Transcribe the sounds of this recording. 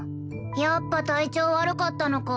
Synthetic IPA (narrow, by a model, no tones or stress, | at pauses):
japːat̪ait͡ɕo̞ːβaɾɯ̟kat̪ːano̞ka